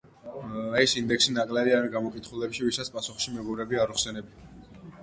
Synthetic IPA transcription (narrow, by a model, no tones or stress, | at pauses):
ɛsind̪ɛkʰsinakʼlɛɾiaɾɡamɔkʼit̪ʰχulɛpʃivisat̪sʰpʼasuχʃimɛɡɔbɾɛbiaɾuχsɛnɛbi